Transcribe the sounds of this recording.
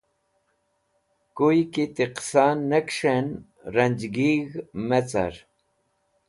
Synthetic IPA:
kujkit̪iqsanːekʂen | ɾɐnd͡ʑɡiɣmet͡sa̰ɾ

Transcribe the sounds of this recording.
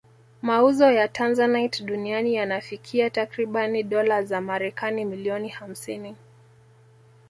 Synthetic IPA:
mauzɔjatʰanzanajtɗunianijanafikʰiatakɾiɓaniɗɔlazamaɾɛkanimiliɔniham̩sini

